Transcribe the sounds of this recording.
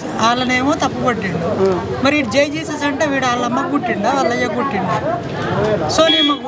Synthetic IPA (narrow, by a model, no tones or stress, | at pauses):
aːlɐne̞ːmoːt̪ɐpːɐbɐʈːiɳɖu | mɐɾiːʈd͡ʒejd͡ʒiːsesɐɳʈeːʋiːɽaːlːɐmːɐɡuʈːiɳɖaːɐlːɐjɐɡuʈːiɳɖ̪aː | soːniːmɐ